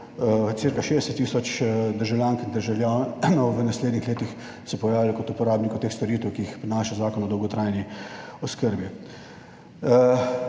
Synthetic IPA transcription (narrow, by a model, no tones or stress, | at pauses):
t̪siɾkaʃed̪ɛsɛt̪ːiːsɔt͡ʃd̪əɾʒawljãːŋkind̪əɾʒɐwlʲjanɔwʋənasled̪nixleːt̪ix | sɛpɔjaːʋilikɔt̪upɔɾaːbnikɔt̪eːxst̪ɔɾiːt̪əwkiixpɾinaːʃazaːkɔnɔd̪ɔwɡɔt̪ɾaːjniɔskəɾbi